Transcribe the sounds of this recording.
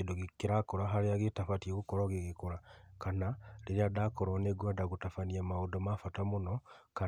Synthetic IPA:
edoɣikiɾakɔɾaɦaɾeaɣetafatieɣukɔɾɔɣiɣekoɾakanaleɾeadakɔɾɔneɡwadaɣutafaniamaodɔmafatamonɔka

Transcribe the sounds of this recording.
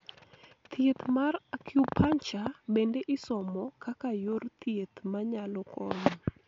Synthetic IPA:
t̪ʰjet̪marakjupʰant͡ʃabendeʔɪsɔmɔkakajort̪ʰjet̪maɲalɔkɔɲɔ

